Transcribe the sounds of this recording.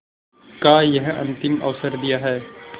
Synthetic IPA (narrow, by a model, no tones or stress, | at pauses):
kaːjɐɦɐ̰̃nt̪ɪmɐ̰ʋsəɾd̪ijaɦɛː